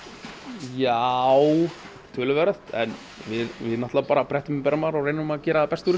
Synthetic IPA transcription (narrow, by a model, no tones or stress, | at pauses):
jaw | t̪ʰʏːlʏvɛɾaθt̪ɛ̰n | vɪðvɪðnaht̪laapaːɾapʰɾɛht̪ʏmpɛɾamaːɾɔɣɾrejnʏmaðcɛːɾaðapɛst̪uɾɪ